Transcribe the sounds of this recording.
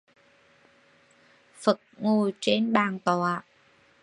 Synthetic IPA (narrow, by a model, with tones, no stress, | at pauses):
fə˨˩t̚ŋo˨˩t͡ɕe˧nɓaː˨˩nt̪ɔ˨˩a˨˩